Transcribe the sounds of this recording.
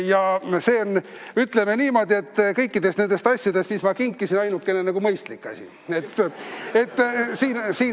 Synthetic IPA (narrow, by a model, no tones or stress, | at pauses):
jɑse̞ːonːyt̪ˑle̞meniːmo̞ːd̪̥ʲie̞t̪ːkɤjkːid̪̥e̞st̪e̞nd̪e̞st̪ɑsʲjɑd̪̥est̪mismɑkiŋkːisinɑjnukːˑe̞nenɑɡ̥umɤjst̪likːɑ̰sʲḭ | e̞t̪ːe̞t̪ːsiːnsiː